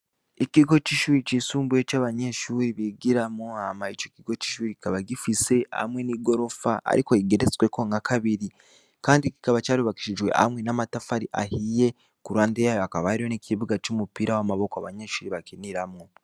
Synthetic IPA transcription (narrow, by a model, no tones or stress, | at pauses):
ikiɡo̞t͡ʃiʃuːɾit͡ʃisuːmbue̞t͡ʃaːβaɲeʃuːɾiβiɡiɾamoamait͡ʃo̞kiɡo̞ci̥ʃuːɾiki̥kaβaɡifise̞a̰mwe̞niːɡo̞ɾo̞faʔa̰ɾiko̞iɡeɾet͡swe̞ko̞ŋakaβiɾi | kaːndiki̥kaβat͡ʃaːɾuβaki̥ʃiʒwe̞̰ʔa̰mwe̞namatafaɾiʔa̰hije̞ | kuɾaːndejaːjoakaβaɾiwo̞nikʰiβuɡat͡ʃumupiːɾawamaβo̞koaβaɲeʃuːɾiβakiniɾamŋo